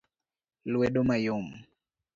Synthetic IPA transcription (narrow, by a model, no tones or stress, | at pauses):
lwɛɗɔmajom̩